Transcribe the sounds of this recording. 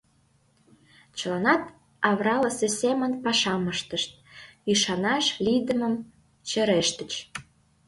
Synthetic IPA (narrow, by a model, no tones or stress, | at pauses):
t͡ɕəlɑnɑt̪ | ɑβrɑləsesʲemə̆npɑʃɑməʃt̪əʃt̪̚yʃɑnɑʃlijd̪əməm | t͡ɕə̆ɾeʃt̪ə̆t͡ɕ